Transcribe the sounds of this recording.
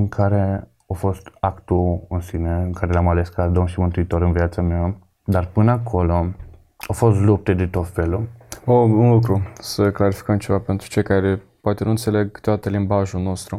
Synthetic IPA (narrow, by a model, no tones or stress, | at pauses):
ɨŋkʰaɾe̞ | ofo̞st̪akt̪uɨnsineɨŋkaɾelamale̞skad̪omʃimɨnt̪uit̪o̞ɾɨnviat̪samea | d̪arpɨnəakʰo̞lo̞ | ofo̞st̪lup̚t̪ed̪et̪o̞t̪fe̞luounluk̬ɾusəklaɾifi̥kəmt͡ʃe̞vape̞nt̪ɾu̥t͡ʃejkaɾe | poat̪enuɨnt̪se̞le̞ɡt̪oat̪əlimbaʒulno̞st̪ɾu